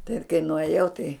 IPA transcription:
tɐɪ kɐɪ nʊɐˈjɛʊ tɐɪ

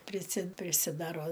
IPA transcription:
pʲrʲɪˈsʲɪ pʲrʲɪsʲɪˈdɑːroː

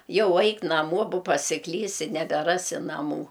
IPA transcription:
ˈjɛʊ ˈɐɪk nɐˈmoː boː pɐsʲɪˈklʲiːsʲɪ nʲɛbʲɛˈrɑːsʲɪ nɐˈmuː

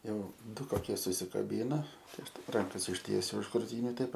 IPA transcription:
ˈjɛʊ ˈdʊ koːˈkʲiɛ sʊsʲɪkɐˈbʲiːnɐ tɐɪ ˈɐʃ ˈtɐɪp ˈrɐŋkɐs ɪʃʲˈtʲiɛsʲʊ ʊʃ krʊˈtʲiːnʲʊ ˈtɐɪp

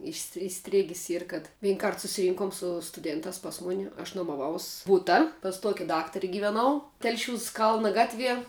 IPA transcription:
ɪʃs ɪˈsʲtʲrʲeːɡʲɪs ˈiːr kɐt ˈʋʲiːŋˈkɐrt sʊsʲɪˈrʲiːŋkʊm sʊ stʊˈdʲeːntɑːs pɐs ˈmʊnʲɪ ɐʃ nuɔmɐˈʋɐʊs ˈbʊtɐ pɐs ˈtuɔkʲɪ ˈdɑːktɐrʲɪ ɡʲɪʋʲɛˈnɐʊ ˈtʲɛlʲʃʲuːs ˈkɐlˠnɐ ˈɡɑːtʲˌʋʲiɛ

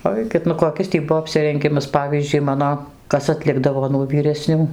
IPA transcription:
ˈɐɪkʲɪt nʊ koːˈkʲɪs tʲiː ˈbʊʋoː ɐpʲsʲɪrʲɛŋʲˈɡʲɪmɐs ˈpɑːʋʲiːzʲd͡ʒʲʊɪ ˈmɑːnoː ˈkɐs ɐtʲˈlʲɪɡdɐʋoː nuɔ ʋʲiːrʲɛˈsʲnʲuː

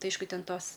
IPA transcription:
ˈtɐɪ ˈɐɪʃkʊ ˈtʲɛn ˈtoːs

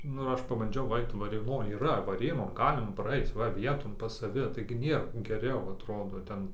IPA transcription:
ˈnʊ ɪr ˈɐʃ pɐbɐnʲˈd͡ʒʲɛʊ ˈɐɪt ʋɐrʲeːˈnoːj iːˈrɐ ʋɐˈrʲeːnoːn ˈɡɑːlʲɪmɐ prɐˈɐɪt͡s ˈʋɐ ˈʋʲiɛtoːn ˈpɐs sɐˈʋʲɪ tɐɪɡʲɪ ˈnʲeːr ɡʲɛˈrʲɛʊ ɐtˈroːdoː ˈtʲɛn

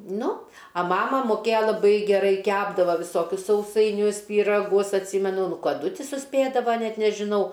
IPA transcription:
ˈnʊ ɐ ˈmɑːmɐ moːˈkʲeːjoː lˠɐˈbɐɪ ɡʲɛˈrɐɪ ˈkʲæːbdɐʋoː ʋʲɪˈsoːkʲʊs sɐʊsɐɪˈnʲʊs pʲiːrɐˈɡʊs ɐtʲˈsʲiːmʲɛnʊ ˈnʊ kɐˈdʊ ˈtʲɪ sʊˈsʲpʲeːdɐʋɐ ˈnʲɛt nʲɛʒʲɪˈnɐʊ

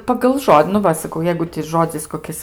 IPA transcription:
pɐɡɐlˠ ˈʒoːdʲɪ nʊ ˈʋɐ sɐˈkɐʊ ˈjɛɪɡʊ tʲɪ ˈʒoːd͡zʲɪs koːˈkʲɪs

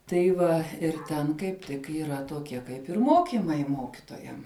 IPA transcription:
tɐɪ ˈʋɐ ɪr ˈtʲɛn kɐɪp ˈtʲɪk iːˈrɐ toːˈkʲiɛ ˈkɐɪp ɪr ˈmoːkʲɪmɐɪ ˈmoːkʲɪtoːjɛm

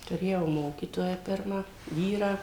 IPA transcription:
tʊˈrʲeːjɛʊ ˈmoːkʲiːtoːjæː ˈpʲɪrmɑː ˈʋʲiːrɑː

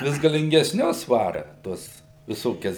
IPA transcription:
ˈʋʲɪs ɡɐlʲɪŋʲɡʲɛsʲˈnʲʊs ˈʋɑːrɐ ˈtuɔs ʋʲɪˈsoːkʲɛs

